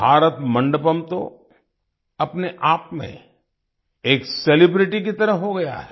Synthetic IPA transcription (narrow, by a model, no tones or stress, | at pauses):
bʱaːɾət̪mɐ̃ɳɖəpəmt̪o̰ | ɐpneʔaːpmḛ̃ | eːkselɪbɾɪʈik̬it̪ɐɾəɦoɡɐja̰ɦɛ